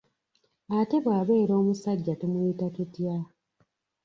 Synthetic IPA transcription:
ate̞βwaːβe̞ːɾo̞ːmusaɟːatomulitatutja

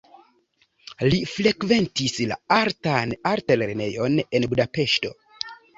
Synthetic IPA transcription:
lifɾe̞kve̞ntisla̰aɾtanaɾtale̞ɾne̞jo̞ne̞nbudape̞ʃto̞

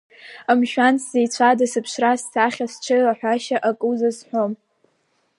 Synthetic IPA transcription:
amʃᶣant͡sʰzejt͡sʷʰadɨsɨpʰʃrastʰaχʲast͡ʃʷʰɨlaħᶣʷaʃaʔakʼuzasħʷᶣom

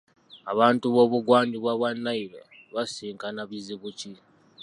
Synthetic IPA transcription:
aβaːntuβo̞ːβuɡwaːndiβwaβwanːailo̰ | βasiːŋkanaβiziβuci

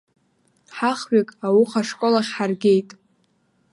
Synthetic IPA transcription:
ħaχɥakʼawʊχaʂkʷʼolaχʲħarɡʲe̞jtʼ

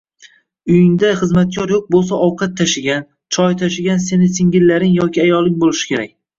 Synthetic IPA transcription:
ʊjɪŋd̪aχɨzmat̪̚kʲʰɒɾjoq̚bolˠsaʔɒwqʰat̪ʰːaʃɪɡʲan | t͡ʃʰɒjt̪ʰaʃɪɡʲanse̞nɪsɪŋɡʲɪlːaɾɪŋjɒkʲɪajɒlˠɪŋbolˠɪʃɪ̥kʲʰe̞ɾak̚ʲ

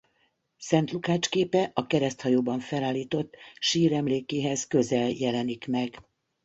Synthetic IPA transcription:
sɛnt̪lukaːt͡ʃkeːpɛʔɒkɛɾɛst̪hɒjoːbɒɱfɛlaːliːt̪o̞t̪ːʃiːɾɛmleːkeːɦɛzkø̞zɛljɛlɛnikmɛɡ

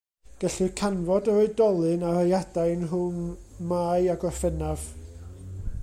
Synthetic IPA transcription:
ɡ̥ɛɬɨkʰanvɔdəɾoɨdɔlˠɨnarajad̥ajnɦʊnmaːɨaɡɔfɛnav̥

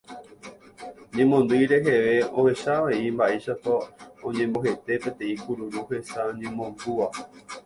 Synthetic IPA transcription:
ɲẽ̞mõ̞nd̪ɨjɾe̞ɦe̞ʋe̞o̞he̞ʃaʋeimbaʔe̞ʃapaõɲẽ̞mboɦe̞t̪e̞pẽ̞t̪ẽ̞ĩkuɾuɾuhe̞saɲẽ̞mõ̞nd̪uʋa

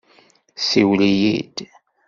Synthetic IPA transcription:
siwlijḭd̪̥

